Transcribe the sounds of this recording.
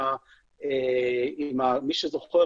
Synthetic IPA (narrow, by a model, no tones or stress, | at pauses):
a | eimamiʃezoχe